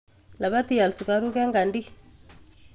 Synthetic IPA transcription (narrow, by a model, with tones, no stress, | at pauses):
la˨βa˦ti˨ja˨lsu˨ka˨ɾu˦kɛ˦ŋɡa˨ndi˦